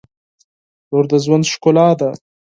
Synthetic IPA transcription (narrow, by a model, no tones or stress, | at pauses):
noɾd̪əzwand̪ʃkʊlɑːd̪a